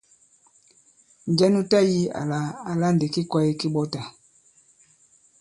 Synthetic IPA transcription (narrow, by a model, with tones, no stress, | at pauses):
n˨d͡ʒɛ˦nu˦ta˦ji˦a̰˨la˨a˨la˦nde˨ki˦kwa˦i˦ki˦ɓɔ˦ta˨